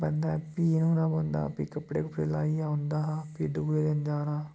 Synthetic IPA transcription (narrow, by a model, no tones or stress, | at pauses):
bənd̪aːpiːnũːnãːbond̪a̰ːpiːkəpɽeːkəpɽeːlaːiːaːʊ̃nd̪aːɦpiːɖuːeːd̪end͡ʒaːnaː